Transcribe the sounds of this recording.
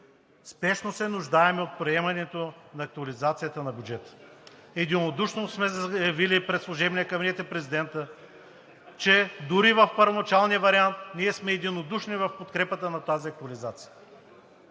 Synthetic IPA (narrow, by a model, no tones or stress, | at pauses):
spɛʃnosɛnʊʒd̪aɛmɛot̪̚pɾiɛmɐnɛt̪onɐːk̚t̪uɐlizat̪sijət̪ənɐbʲjud͡ʒɛt̪ə̥ | ɛd̪inod̪uʃnosmɛzjɐvilipɾɛt̪slˠoʒɛbniɛkɐbinɛt̪ɛpɾɛzid̪ɛnt̪ə | t͡ʃɛd̪ʊɾivɐfpəɾvonɐt͡ʃalˠnijəvɐɾiant̪niɛsmɛɛd̪inod̪uʃnivɐfpot̪kɾɛpət̪ənɐt̪aziɐk̚t̪ʊɐlizat̪sijə